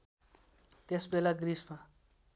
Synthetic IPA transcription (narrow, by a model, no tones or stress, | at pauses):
t̪esbelaɡrisma